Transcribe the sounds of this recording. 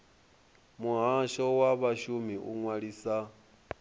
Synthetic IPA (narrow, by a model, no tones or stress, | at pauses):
muɦaʃɔwaβaʃumiʔṵŋwaɺiːsa